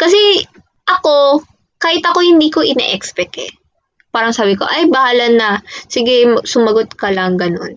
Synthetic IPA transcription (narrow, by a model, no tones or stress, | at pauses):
kɐs̬ɛ | ʔɐko̞ | kaːhɪt̪ɐko̞hɪnd̪iːko̞ʔɪnɛ̰ʔɛkspɛt̪ɛ̰ | paːɾɐŋsaːbɪko̞̰ʔɐjbɐhaːlɐnːɐsɪɡɛmsʊmɐɡot̪̚kɐlɐŋɡɐno̞̰n